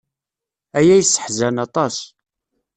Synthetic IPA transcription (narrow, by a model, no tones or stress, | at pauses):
æjæjsːə̥ħzænɑt̪ˤɑs